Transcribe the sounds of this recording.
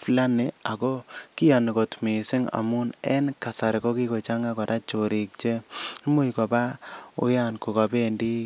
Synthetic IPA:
fla˦ne˨a˨ko˦ki˦ja˨ni˨ko˨tme˨sɪ˦ŋa̰˨mu˦nɛ˦nka˨sa˨ɾi˨ko˦ki˦ko˨t͡ʃa˦ŋa˦kɔ˨ɾa˦t͡ʃo˨ɾi˨k̚t͡ʃe˦mu˦ikɔ˨ba˦ṵ˦ja˦nku˨ka˨be˦ndi˦

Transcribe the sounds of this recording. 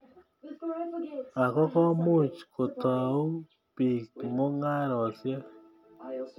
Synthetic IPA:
a˨kɔ˦kɔ˦mu˦˨t͡ʃko˨tɔ˨u˦ | pi˨kmo˦ŋa˦ɾɔ˨sjɛ˦

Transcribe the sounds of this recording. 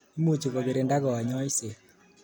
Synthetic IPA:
i˦mu˦˨t͡ʃu˨ɣɔ˨ɣe˨ɾe˨nda˦ɣɔ˨wa˨ɲɔ˦i˦se˨

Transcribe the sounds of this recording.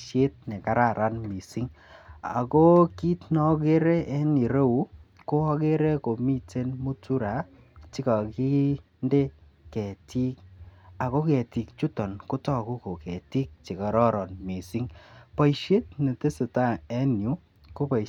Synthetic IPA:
ʃje˦t̚nɛ˨ka˨˦ɾa˨ɾa˦nmi˨si˦ŋ | a̰˨ko˦ki˦tnɔ˦ke˦ɾɛ˦ɛ˦ni˨ɾe˦u˨˦ | ko˦ɔ˦ke˦ɾɛ˦ko˨mi˦te˦nmu˦tu˦ɾa˨˦ | ti˦ka˨ki˦ | nde˦ | kɛ˨ti˦k̚a˨ko˦kɛ˨ti˨k̚t͡ʃu˦tɔ˨nko˦tɔ˦ku˦ko˨kɛ˨ti˦k̚t͡ʃi˨kɔ˨ɾɔ˦ɾɔ˨nmi˨si˦ŋpɔ˨iʃje˦tne˨te˦se˨ta˦˨ɛ˦nju˨˦ | ko˦pa˨

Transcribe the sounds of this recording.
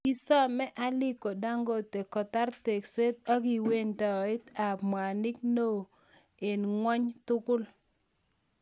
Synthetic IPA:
i˦sa˦mɛ˦ʔa˦lɪ˦ko˨da˦ŋɡo˦t̪e˨kɔ˨t̪a˦rt̪e˨kse˦t̪a˦ɡi˨we˦nda˨ɪ˦t̪a˨pmwa˨nɪ˦kno˦˨ | e˨nŋwɔ˦ɲt̪ʊ˦kʊ˦l

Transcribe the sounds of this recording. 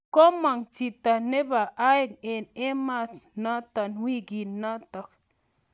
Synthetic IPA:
ko˦ma˨ŋt͡ʃi˨ta˨ne˦ba˨ʔa˦i˦˨ne˨ne˦ma˦˨na˦ta˨nwi˦ɡi˨nna˦ta˨k

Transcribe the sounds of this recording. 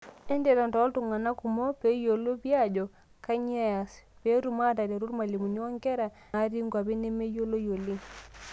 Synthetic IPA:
ɛ˦nde˨ɾa˨ntɔ˨˦ltu˨ŋa˨na˦ku˨mo˦pe˨˦jo˨lo˦pi˦a˦d͡ʒɔ˨ | ka˦ɲ˦e˦ja˨spe˨˦tu˨ma˦ta˨te˨ɾu˦ɾma˨li˨mu˨ni˦o˦ŋkɛ˦ɾa˨ | a˨˦ɾi˦ŋɡa˨bi˦ne˦me˦jo˦lo˦jo˨li˦ŋ

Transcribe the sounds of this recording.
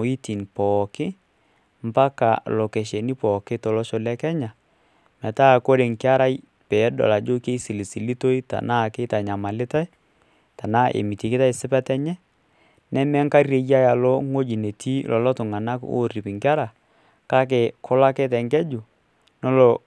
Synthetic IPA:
o˨i˦ti˨npɔːkɪ˦ | m˦pa˦ka̰˨lɔ˨ke˨ʃe˨ni˦pɔː˨kɪ˦tɔ˨lɔ˦ʃɔ˨lɛ˦kɛ˦ɲa˨ | mɛ˨ta˦˨ko˦ɾe˨ŋkɪ˦a˦ɾa˦j | pɛ˨˦dɔ̰˨la˨d͡ʒo˦ke˦si˨li˨si˨li˦to˦i˦ta̰˨na˦˨kɪ˦ta˨ɲa˨ma˨lɪ˦ta˦j | ta˨naː˦ʔḛ˨mi˨ti˨kɪ˦ta˦ɪ˦sɪ˦pɛ˦tɛ˦ɲɛ˦ | nɛ˦mɛ˦ŋka˦re˨ja˦ja˨lɔ˦ŋo˦d͡ʒi˨ne˨tʰi˦lɔ˨lɔ˦tʊ˨ŋa˨na˦ko̰˦˨ri˨pɪ˨ŋkɪ˦a˦ɾa˨ | ka˦k̬ɪ˨kʰʊ˦la˦kɛ˦tɛ˨ŋɡɛ˦d͡ʒʊ˨ | nɔ˦lɔ˨

